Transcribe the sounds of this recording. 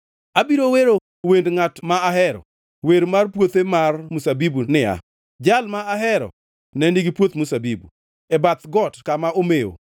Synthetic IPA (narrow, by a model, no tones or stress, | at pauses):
abiɾoweɾo | wendŋatmaaɦɛɾɔ̰ | weɾmarpwot̪emarmusabibunɪa̰ | d͡ʒalmaaɦɛɾɔ̰ | nɛniɡipwot̪musabibṵ | ɛbat̪ɡɔtkamaomeo̰